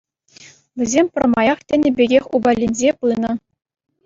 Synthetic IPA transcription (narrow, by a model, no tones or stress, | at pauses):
ʋʲɘ̆zʲemʲpʲɘ̆rmɑjɑχtʲɘ̆nʲɘ̆bʲeɡʲexʲubɑlʲːinʲzʲepɯnɤ̆